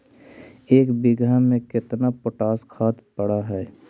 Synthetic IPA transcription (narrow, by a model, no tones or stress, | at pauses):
eːkbɪɡʱamẽkɪt̪napoʈaːskʰaːt̪pəɽaɦɛː